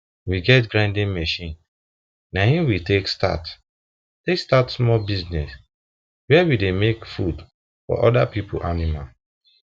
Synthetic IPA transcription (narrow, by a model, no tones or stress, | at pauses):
wiɡɛtɡɾãɪ̃ndĩnmɛʃĩn | nahĩmwiteksta̰t | tekstatsmɔlbiznɛs | wɛɛwidemekfud | fɔ̰ʔɔdapipʰo̰ʔanimal